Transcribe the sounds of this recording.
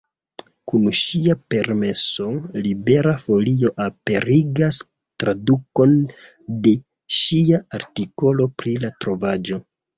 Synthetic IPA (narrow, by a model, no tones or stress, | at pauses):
kunʃiape̞ɾme̞so̞libe̞ɾafo̞lio̞ʔape̞ɾiɡas | tɾaduko̞n | de̞ | ʃiaaɾtiko̞lo̞pɾilatɾo̞vad͡ʒo̞